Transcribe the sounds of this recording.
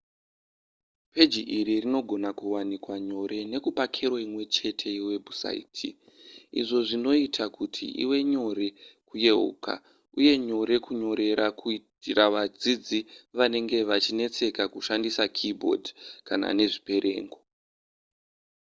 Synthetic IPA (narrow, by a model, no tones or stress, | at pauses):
pe̞d͡ʒiʔiɾirino̞ɡʱo̞nakuwanikwaɲo̞ɾe̞ne̞kupakʰeɾwoimwe̞t͡ʃe̞tʰe̞iwe̞bʱusa̰ḭtʰḭ | ḭʐo̞ʐino̞itʰakutʰḭʔḭwe̞ɲo̞ɾe̞kuje̞ṵːka̰ | uje̞ɲo̞ɾe̞kuɲo̞ɾe̞ɾʔakʰui | iɾaʋad͡zid͡ziʋane̞ŋɡe̞ʋat͡ʃine̞t͡se̞kakuʃandisakʰibʱo̞̰dkana̰ne̞ʐipe̞ɾʔe̞̰ːŋɡo